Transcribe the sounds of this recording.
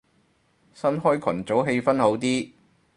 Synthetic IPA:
sɐ˥nɦɔː˥jkʰɐ̰˨˩nt͡so˨˥wɦe˧jfɐ˥nho˨˥wt̪iː˥

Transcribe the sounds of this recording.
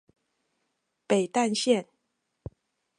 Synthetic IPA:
pe˨˩ɪt̪a˥˧nɕjɛ˥˨n

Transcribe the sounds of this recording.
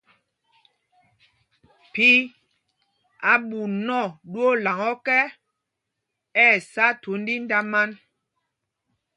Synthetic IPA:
pi˦ | a˨ɓu˨nɔ˦˨ɗu˦o˦la˨ŋɔ˦kɛ˦ | ɛ˦˨sa˦tu˨˦n˦di˦n˦da˦ma˦n

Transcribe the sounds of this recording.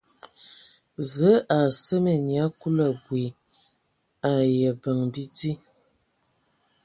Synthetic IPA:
zə˨˦ʔa˨sə˦me˨ɲja˨˦ku˦lə˨ɡwi˨ | a˨jə˨bə˨ŋbi˦ti˦

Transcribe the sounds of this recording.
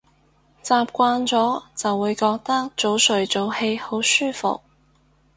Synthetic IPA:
t͡saː˨p̚kʷaː˧nt͡sɔː˨˥t͡sɐ˨wːuː˨˧jkɔː˧k̚t̪ɐ˥k̚t͡so˨˥wsɵ˨˩ɥt͡so˨˥whe˧jho˨˥wsyː˥fʊ̰˨k̚

